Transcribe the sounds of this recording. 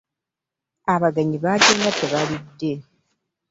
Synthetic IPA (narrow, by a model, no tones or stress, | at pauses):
aβaɡaɲiβaɟeːnɡateβalidːe̞